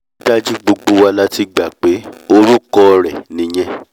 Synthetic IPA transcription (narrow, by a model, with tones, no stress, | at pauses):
da˦d͡ʒi˦ɡ͡bo˧ɡ͡bo˧wa˧la˦ti˧ɡ͡ba˨k͡pe˨˦o˦ɾu˦kɔ˦˨ɾɛ˨nĩ˨˦j̃ɛ̃˦